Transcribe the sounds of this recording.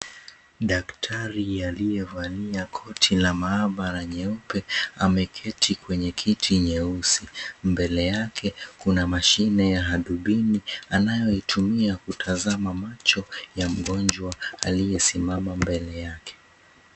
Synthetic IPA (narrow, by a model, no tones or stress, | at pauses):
ɗaktʰaɾialijɛvaliakʰɔtʰilamaaɓaɾaɲɛupɛamɛkʰɛtʰikwɛɲɛkʰitʰiɲɛusimbɛlɛjakʰɛkunamaʃinɛjaɦaɗuɓinianajɔitʰumiakutʰazamamat͡ʃɔjam̩ɠɔnd͡ʒwaalijɛsimamambɛlɛjakʰɛ̥